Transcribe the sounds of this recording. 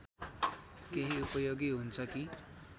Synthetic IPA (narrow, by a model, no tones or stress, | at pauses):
keɦiupʌjoɡiɦunt͡sʰʌki